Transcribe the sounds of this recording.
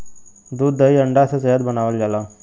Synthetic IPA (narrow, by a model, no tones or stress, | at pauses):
d̪uːd̪ːəjəɳɖasat͡səɦəd̪̚bənaʋəld͡zala